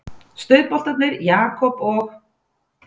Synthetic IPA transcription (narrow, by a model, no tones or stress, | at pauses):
st̪œɥð̚pɔl̥t̪at̪nɪɾjaːkʰɔpɔx